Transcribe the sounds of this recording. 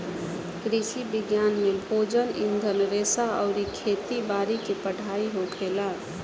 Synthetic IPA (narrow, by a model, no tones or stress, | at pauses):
kɾisibɪɡjaːnmebʱod͡ʒənɪ̰̃nd̪ʱəlɾeːsaəʊɾikʰet̪ibaːɾikepəɽ̤aiɦokʰela